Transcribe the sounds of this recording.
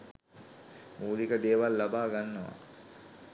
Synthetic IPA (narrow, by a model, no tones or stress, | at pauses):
muːlikəd̪eːʋalːabaːɡanːəʋa̰